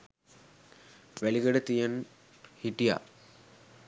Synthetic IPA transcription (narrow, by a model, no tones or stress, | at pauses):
ʋæliɡəɖət̪ijən | hiʈija̰